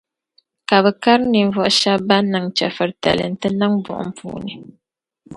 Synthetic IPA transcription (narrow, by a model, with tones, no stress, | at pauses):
ka˨βɛ˨ka˦ɾni˨ɱ˨vɔ˦ʔʃa˦bba˦nɨ˨ŋt͡ʃɛ̰˨fɨ˨ɾtɛ̰˨lɨ̰˨n̩˦tɨ˦nɨ˦ŋbʊ̰˨ʔʊ̰˦m̩˦pṵː˨nɨ˨